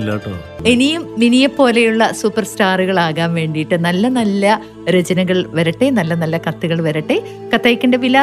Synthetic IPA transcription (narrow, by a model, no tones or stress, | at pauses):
ilːa̰ːʈːɐma̰ɳe̞nijumːinijɐpːo̞ːlejuɭːɐsuːpːɐrstaːruɣɐɭaːɣaːnʋe̞ːɳɖijiʈːɨnɐlːɐnɐlːɐ | ɾɐd͡ʑɐnɐɣɐɭʋɐɾɐʈːenɐlːɐnɐlːɐkɐt̪ːuɣɐɭʋɐɾɐʈːe̞ | kɐt̪ːɐːjkːɐɳɖeʋilɐ